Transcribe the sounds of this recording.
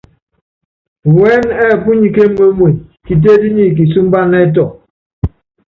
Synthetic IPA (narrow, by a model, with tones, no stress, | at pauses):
wɛ˦nɛ˦˨pu˦ɲi˨ke˦m̩˦me˦mwe˨ki˨t̬e˦di˦ɲi˦˨k̬i˨s̬u˦m̩˦ba˦ne˦t̬ɔ˨